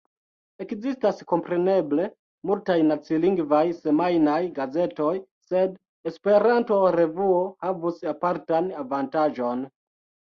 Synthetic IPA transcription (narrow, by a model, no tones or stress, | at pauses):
e̞kzistasko̞mpɾe̞ne̞ble̞ | multajnat͡siliŋɡvajse̞majnajɡaze̞to̞j | se̞d | espe̞ɾanto̞ɾe̞vuohavusapaɾtanavantaʒo̞n